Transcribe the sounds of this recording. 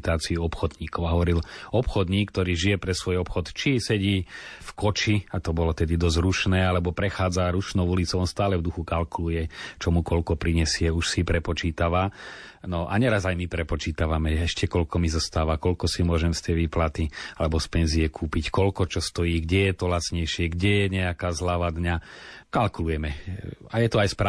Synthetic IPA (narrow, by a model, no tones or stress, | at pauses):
t̪aːt͡siuɔpxɔd̪ɲiːkɔʊaɦɔʋɔɾilɔpxɔd̪ɲiːkːt̪ɔɾiːʒijɛpɾɛsʋɔjɔpxɔt̪t͡ʃisɛɟiːfkɔt͡ʃiat̪ɔbɔlɔt̪ɛd̪id̪ɔzɾuʃnɛːalɛbɔpɾɛxaːd͡zaɾuʃnɔʊulit͡sɔʊɔnst̪aːlɛvd̪uxukalkulujɛt͡ʃɔmukɔlkɔpɾiɲɛsɪɛuʃsipɾɛpɔt͡ʃiːt̪aʋa | nɔʔa̰ɲɛɾazajmipɾɛpɔt͡ʃiːt̪aʋamɛɛʃcɛkɔlkɔmizɔst̪aːʋakɔlkɔsimʊɔʒɛmst̪ɛjʋiːplat̪ialɛbɔspɛnzijɛkʰuːpickɔlkɔt͡ʃɔst̪ɔjiːɡɟɛjɛt̪ɔlat͡sɲɛjʃɪɛɡɟɛjɛɲɛakaːzlaʋaːd̪ɲakalkulujɛmɛajɛt̪ɔajspɾa